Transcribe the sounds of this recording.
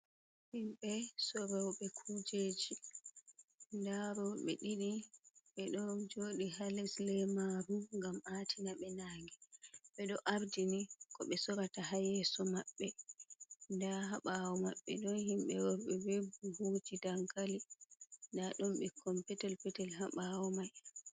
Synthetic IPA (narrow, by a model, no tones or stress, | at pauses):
himɓɛsɔɾawɓɛkʰud͡ʒed͡ʒi | ndaɾɔɓɛ̰ɗiɗiɓɛɗɔnd͡ʒoɗihalɛslɛmaɾuŋɡamatʰinaɓɛnaːŋɡiɓɛɗɔʔaɾdinikɔɓɛsɔɾataɦajɛsɔmaɓːɛ | ndaɦaɓawɔmaɓːɛ̰ɗɔnhimɓɛwɔɾɓɛbebubud͡ʒidaŋkalindaɗɔmɓɛkʰɔmpɛtɛlpɛtɛlɦaɓawɔmaj